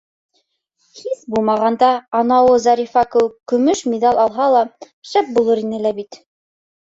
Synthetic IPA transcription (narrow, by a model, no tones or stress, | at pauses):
hiθbulˠmɑʁɑnd̪ɑɑnɑwɤzɑɾʲifɑkɘwɘkɵ̆mɵʃmʲid̪ɑlʲˠɑlˠɦɑlˠɑ | ʃæp̚bulˠɤɾinɘlæbit̪